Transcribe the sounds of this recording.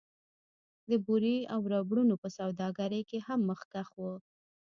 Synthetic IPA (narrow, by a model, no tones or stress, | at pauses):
d̪əbuɾiawɾɑbɽunopəsawd̪ɑɡaɾəjkehamːəxkaxwə